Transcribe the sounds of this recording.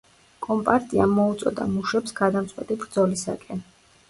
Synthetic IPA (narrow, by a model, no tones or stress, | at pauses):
kʼɔmpʼaɾt̪ʼiamɔut̪sʼɔd̪a̰muʃɛpsɡad̪amt̪sʼqʼwɛt̪ʼibɾd̪zɔlisa̰kʼɛn